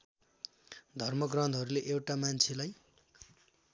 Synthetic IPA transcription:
d̪ʱʌrmʌɡrʌnd̪ʱɦʌɾuleʔewʈamant͡sʰelaj

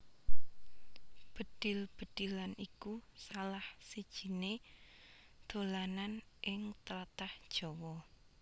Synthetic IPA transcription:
b̥ə̤d̪̥ɪ̤lb̥ə̤d̪̥i̤lanikusalahsid̥ʒ̥i̤ne | d̪̥o̤lananʔɪŋt̪ələt̪ahd̥ʒ̥ɔ̤wɔ

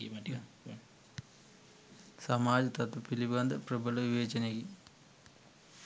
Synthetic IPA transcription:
sɐmaːd͡ʒɐt̪ɐt̪ɐpilibɐnd̪ɐpɾɐbʱɐlɐʋiʋeːt͡ʃɐneɡi

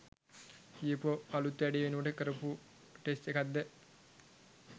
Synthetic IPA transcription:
ijəpoːalut̪ːʋæɖeʋenuʋəʈəkəɾəpu | ʈesʈekad̪ːə

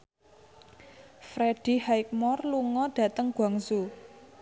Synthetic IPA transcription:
fɾeɖ̥i̤haɪk̚mɔrluŋɔɖ̥ä̤t̪əŋɡ̥wa̤ŋsu

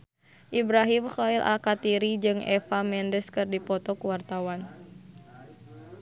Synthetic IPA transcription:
ʔibɾaɦimxailʔa̰kat̪iɾid͡ʒɨŋʔɛfamɛndəskɨrdipɔt̪ɔkuwart̪awan

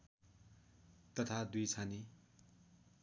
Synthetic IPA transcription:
t̪ʌt̪ʰad̪ujt͡sʰani

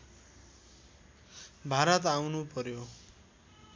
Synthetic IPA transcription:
bʱaɾʌt̪awnupʌɾjo

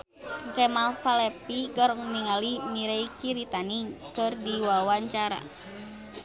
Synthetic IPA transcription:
ɡɛmalpalɛpiɡɔɾɔŋniŋalimiɾɛikiɾit̪anikɨrdiwawaɲt͡ʃaɾa̰

